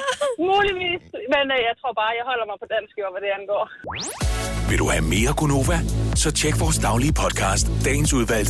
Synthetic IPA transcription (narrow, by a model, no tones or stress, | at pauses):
muːliʋḭːsmenjɑ̈ɪt͡sʰʁo̝ɐ̰b̥ɑ̈ːjɑ̈ɪɦɒ̽l̰ɐmɑɪpʰɒ̽d̥æn̰sɡ̥ɒʋæd̥e̝ænɡ̥ɔ̰ː | ʋe̝ld̥uhæme̝ːɐɡ̥ono̝̰ːʋæsɒ̽t͡ɕʰeɡ̥ʋɒːsd̥ɑ̈ʊliəpʰɒ̽d̥̚kʰɑ̰̈ːsd̥ːɛ̰ːn̩suðˠʋæl̰̥